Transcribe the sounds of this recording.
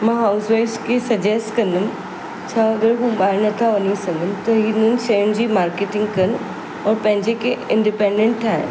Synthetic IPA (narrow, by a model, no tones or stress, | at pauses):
mãːɦaːʊsʋeːskʰesɐd͡ʑesʈkɐ̃nd̪ʊm | t͡ɕʰaːɐɡəɾɦũːɓaːɪɾnɐt̪ʰaʋɐnisɐŋɡʱənɪ̆t̪ɐɦinʊnɪ̆ʃɐjʊñd͡ʑiːmaːɾkeːʈɪ̃ŋɡkɐn | ɔːɾpɐ̃ɦɪ̃ɲd͡ʑekʰeɪ̃ɳɖɪpẽːɳɖẽɳʈ̚t̪ʰːaːɦɪ̰